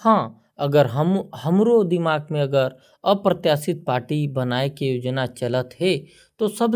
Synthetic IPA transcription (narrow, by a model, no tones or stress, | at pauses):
hãː | ɐɡəɾɦɐmhɐmɾod̪ɪmaːɡmẽɐɡəɾ | əpɾət̪jaːsɪt̪̚paːɾʈibɐnaːekejoːd͡ʒnat͡ʃɐlət̪ɦɛ | t̪osɐb